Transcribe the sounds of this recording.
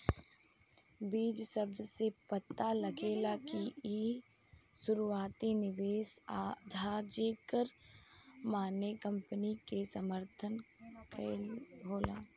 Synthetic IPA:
biːd͡ʒsəb̚d̪ʱsepət̪ːaləɡeːlakii | sʊɾuaːt̪inɪʋeːsad͡ʒʱaːd͡ʒekəɾ | maːnekə̃mpənikesəməɾt̪ʰənkʰəɦoːla̰ː

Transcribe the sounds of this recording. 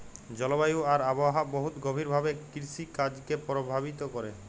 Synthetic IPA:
d͡ʑɔlobajuaɾaboaɦaboɦut̪ɡobʱiɾbʱabekiɾsikad͡ʑkepɾobʱabit̪okɔɾe

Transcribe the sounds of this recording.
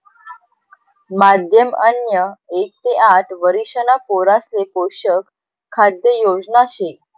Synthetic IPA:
mad̪ʱjəmənjəek̚t̪eaʈʰʋəɾiɕənapoɾaslepoɕəkʰː | ad̪jəjod͡znaɕe

